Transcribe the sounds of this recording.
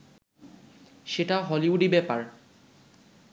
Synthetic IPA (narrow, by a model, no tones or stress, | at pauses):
ʃeʈaɦɔliuɖibɛpaɹ